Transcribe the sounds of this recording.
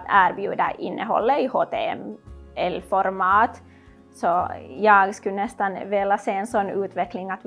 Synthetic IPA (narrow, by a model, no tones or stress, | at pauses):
æːɾbjʉːd̪a̰ʔɪnːʔəɦɔ̰lːəɪhoːt̪eɛmɛlːfɔɾmɑːt̪ | sɔjɑːɡskɵnɛst̪anveːlaseːensɔnːʉːt̪ʋvɛklɪŋat̪